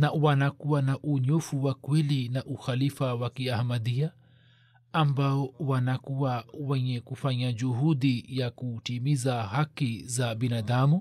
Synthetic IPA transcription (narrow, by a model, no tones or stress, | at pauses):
nawanakuwanaʔuɲufuwakwɛlinaʔuxalifawakiahmaðia | ambaɔwanakuwawɛɲɛkufaɲad͡ʒuhuɗijakutimizahakizabinaðamu